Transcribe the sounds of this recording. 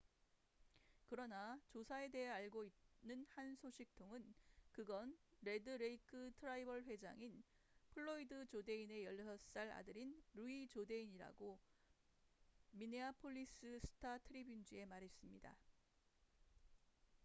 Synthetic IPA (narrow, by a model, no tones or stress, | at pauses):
kɯɾʌnat͡ɕosʰae̞de̞ɦeaɭɡoit̚nɯnhansʰoɕʰik̚tʰoŋɯnkɯɡʌnɾe̞dɯɾe̞ikʰɯtʰɯɾaibʌɭɸwe̞d͡ʑa̰ŋin | pʰɯɭːoidɯt͡ɕode̞ine̞jʌɭːsʰʌs͈aɾa̰dɯɾinɾuit͡ɕode̞iɲiɾa̰ɡo | mineapʰoʎːis͈ɯsʰɯ̥tʰatʰɯɾibjund͡ʑie̞maɾɦe̞s͈ɯmɲida̰